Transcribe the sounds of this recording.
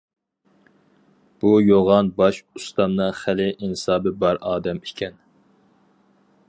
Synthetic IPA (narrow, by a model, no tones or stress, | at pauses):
b̥ujoʁɑnbɑʃust̪ɑmnɨχælɪʔinsɑːbɨbɑɾʔɑːd̪ɛmikʲʰɛn